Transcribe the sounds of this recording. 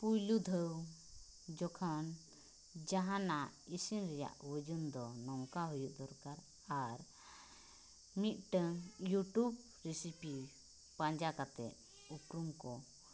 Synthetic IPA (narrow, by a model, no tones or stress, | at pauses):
pujlud̪ʱəw | d͡ʒɔkʰɔn | d͡ʒaɦãnaisinɾɛja̰ʔwəd͡ʒund̪ɔnɔŋkaɦujuʔd̪ɔɾkaɾ | aɾ | mit̪̚ʈəŋjuʈub | ɾisipi | pãɲd͡ʒakat̪ɛ̰ʔ | upɾumkɔ